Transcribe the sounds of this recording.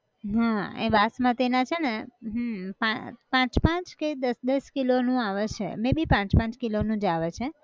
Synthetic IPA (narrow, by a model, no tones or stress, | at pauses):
ɦãḛʋasmãt̪enat͡ʃʰeneɦəpãpãt͡ʃpãt͡ʃked̪əsd̪əskilonũaʋət͡ʃʰḛmẽbipãt͡ʃpãt͡ʃkilonũd͡ʒaʋet͡ʃʰe